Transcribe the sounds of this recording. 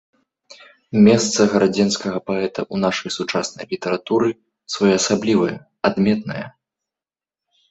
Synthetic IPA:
mʲɛst̪sɐɣɐɾad͡zʲɛnskɐɣɐpaɛt̪ɐʔunaʂɐjsut͡ʂasnɐ̰jlʲit̪ɛɾat̪uɾɨ | svajɛɐsablʲivɐjɐ | ad̪mʲɛt̪nɐ̰jɐ̰

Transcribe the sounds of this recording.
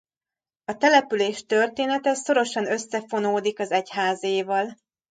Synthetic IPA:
ɒt̪ɛlɛpyleːʃt̪ø̞rt̪eːnɛt̪ɛso̞ɾo̞ʃɒnø̞sːɛfo̞noːd̪ikɒzɛchaːzeːvɒl

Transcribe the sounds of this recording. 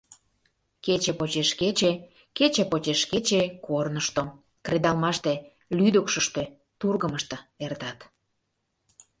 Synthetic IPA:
ket͡ɕepot͡ɕeʃket͡ɕe | ket͡ɕepot͡ɕeʃket͡ɕekornəʃt̪o | kred̪ɑlmɑʃt̪e | lyd̪əkʃəʃt̪e | t̪urɣəməʃt̪ə̆ert̪ɑt̪

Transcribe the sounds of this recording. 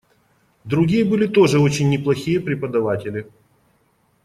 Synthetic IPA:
d̪ɾʊɡʲijəbɨlʲɪt̪o̞ʐɨo̞t͡ɕɪnʲːɪplˠɐxʲijəpɾʲɪpəd̪ɐvatʲɪlʲɪ

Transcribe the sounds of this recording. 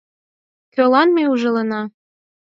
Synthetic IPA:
kølɑnmeuʒɤ̆lɤ̆nɑ

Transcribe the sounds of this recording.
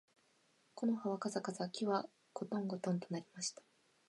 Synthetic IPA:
ko̞no̞haβakazakazakʲiβa | ɡ̥o̞t̪õ̞ŋɡo̞t̪õ̞nt̪o̞naɾʲimaɕi̥t̪ḁ

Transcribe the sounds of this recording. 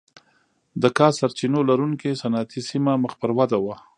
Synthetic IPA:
d̪əkɑsaɾt͡ʃinolaɾuŋkesanat̪isimaməxpəɾwad̪awa

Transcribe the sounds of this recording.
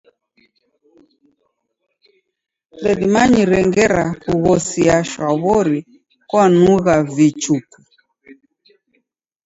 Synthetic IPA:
lɛðimaɲiɾɛŋɡɛɾakuɣɔsiaʃwaβɔɾi | kwanuɣavit͡ʃuku

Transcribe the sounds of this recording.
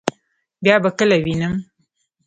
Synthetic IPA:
bjɑbakəlawinəm

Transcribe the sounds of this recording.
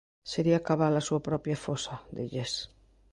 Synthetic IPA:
seɾiakaβalasuapɾɔpjafosaðeʎes

